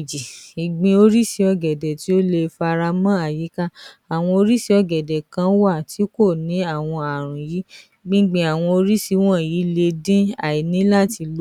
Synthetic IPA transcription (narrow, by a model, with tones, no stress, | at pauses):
d͡ʒi˨i˨ɡ͡bĩ˧o˧ɾi˦si˧ɔ˧ɡɛ˨dɛ˨ti˨˦o˦le˧fa˧ɾa˧mã˦a˦˨ji˨˦ka˦a˨w̃ɔ̃˧o˧ɾi˦si˧˦ɔ˧ɡɛ˨dɛ˨kã˧˦wa˦˨ti˨˦ko˦˨nĩ˨˦a˦˨w̃ɔ̃˧a˨ɾ̃ũ˨ji˨˦ | ɡ͡bĩ˦ɡ͡bẽ˧a˨w̃ɔ̃˧o˧ɾi˦si˧˦w̃ɔ̃˦˨ji˨˦le˧dĩ˦a̰˨i˨nĩ˦la˦˨ti˧lo˦